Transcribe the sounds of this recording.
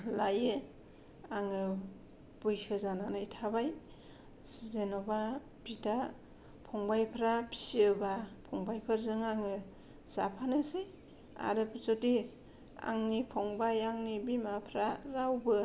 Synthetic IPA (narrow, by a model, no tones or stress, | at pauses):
lajɯ | aŋɯ | b̥ɯjsɯzananɯitʰabaj | sizenɔba | bita | pʰɔŋbajpʰɾapʰi̥sɯbapʰɔŋbajpʰɯɾzɯŋaŋɯ | z̥a̰pʰanɯsej | a̰ɾɯpʰɯsoti | a̰ŋnipʰɔŋbajaŋnibimapʰɾaɾawbɯ